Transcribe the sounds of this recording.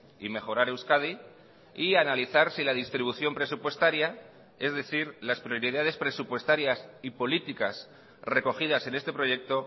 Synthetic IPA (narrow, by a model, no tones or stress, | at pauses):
ime̞xo̞ɾaɾe̞wskaði | ianaliθaɾsilað̞ist̪ɾiβ̞uθjo̞mpɾe̞supwe̞st̪aɾja | e̞zðe̞θiɾlaspɾjoɾiðaðe̞spɾe̞supwe̞st̪aɾjasipo̞lit̪ikas | re̞ko̞xið̞ase̞ne̞st̪e̞pɾo̞ʝe̞k̚t̪o̞